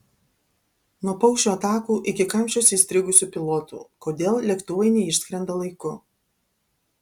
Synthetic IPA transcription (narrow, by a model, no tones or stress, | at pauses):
nuɔpɔʊʃʲoːɐt̪ɑːkuːʔɪkʲɪkɐmʲt͡ʃʲosʲiːsʲt̪ʲɾʲɪɡʊsʲuːpʲɪlˠɔːt̪ṵːkoːd̪ʲeːlˠlʲɛkt̪ʊʋɐɪnʲɛɪʃʲsʲkʲɾʲɛnd̪ɐlˠɐɪkʊ